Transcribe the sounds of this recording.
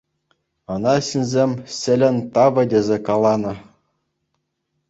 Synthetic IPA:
ɤ̆nɑɕinʲzʲemʲɕʲɘ̆lʲɘ̆nʲt̪ɑʋɤ̆dʲezʲekɑlˠɑnɤ̆

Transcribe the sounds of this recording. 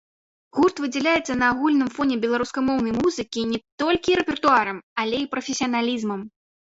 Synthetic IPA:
ɣurt̪vɨd͡zʲɛlʲajɛt̪sːɐnɐːɣulʲnɨmfɔnʲɛbʲɛlˠaɾuskɐmɔwnɐjmuzɨkʲinʲɛt̪ɔlʲkʲiɾɛpʲɛrt̪uaɾɐmalʲɛipɾɐfʲesʲijɐnalʲizmɐm

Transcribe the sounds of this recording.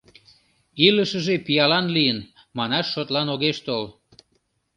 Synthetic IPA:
iləʃəʒepijɑlɑnlijən | mɑnɑʃːot̪lɑnoɣeʃt̪ol

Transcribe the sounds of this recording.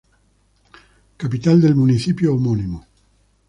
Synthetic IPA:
kapit̪ald̪elmunit͡ʃiːpjoomɔnimo

